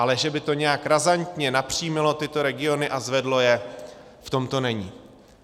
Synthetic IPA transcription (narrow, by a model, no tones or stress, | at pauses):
alɛʒɛbɪt̪o̞ɲɛjakɾazant̪ɲɛnapr̝̥ijmɪlo̞t̪ɪt̪o̞ɾɛɡɪo̞nɪʔazvɛdlo̞jɛ | ft̪o̞mt̪o̞nɛɲiː